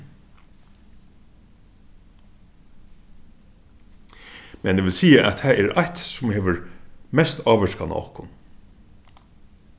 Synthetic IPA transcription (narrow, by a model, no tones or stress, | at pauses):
mɛneːʋɪlsiːəʔæt̪hæːɛːɾaht̪sʊmheːʋəɹmɛst̪ʰɑːʋəʂkana̰ɔ̰hkʊn